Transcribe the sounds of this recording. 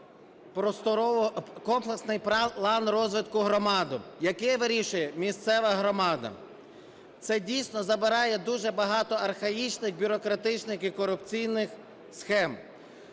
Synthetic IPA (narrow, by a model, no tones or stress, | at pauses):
pɾɔst̪ɔɔkɔmplˠeksnɪjpɾlˠɑnrɔzʋɪt̪kʊɦɾɔmɑd̪ʊjɐkɛʋɪɾʲiʃʊjɛmʲist̪sɛʋɐɦɾɔmɑd̪ɐ̰ | t̪sɛdʲijsʲnɔzɐbɪɾɑjɛd̪uʒɛbɐɦɑt̪ɔɐrxɐjit͡ʃnɪxbʲʊɾɔkɾɐt̪ɪt͡ʃnɪxikɔɾʊpt͡sʲijnɪx | sxɛm